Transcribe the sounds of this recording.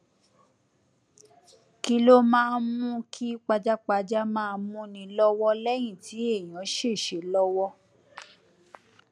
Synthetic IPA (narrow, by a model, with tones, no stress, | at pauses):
ki˧lo˦mãː˦˧mũ˦kʰi˦k͡pa˧d͡ʒa˦k͡pa˧d͡ʒa˦mãː˦˧mũ˦nĩ˧lɔ˦wɔ˦lɛ˦j̃ĩ˦˨ti˨˦e˦˨j̃ã˨˦ʃe˦˨ʃe˨˦lɔ˦wɔ˦